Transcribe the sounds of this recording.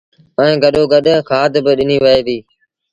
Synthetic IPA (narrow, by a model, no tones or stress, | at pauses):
əẽːɡəɗoːɡəɗːkʰaːd̪bɪɗɪniːʋəeːd̪iː